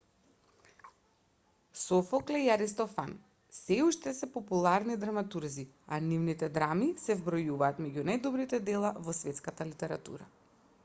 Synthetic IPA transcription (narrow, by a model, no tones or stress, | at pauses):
sɔfɔklɛiaɾist̪ɔfa̰n | sɛuʃt̪ɛsɛpɔpulˠaɾnid̪ɾamat̪uɾzi | anivnit̪ɛd̪ɾamisɛvbɾɔjuvaːt̪mɛɟunajd̪ɔbɾit̪ɛd̪ɛlˠavɔsvɛt̪skat̪alit̪ɛɾat̪ṵɾa̰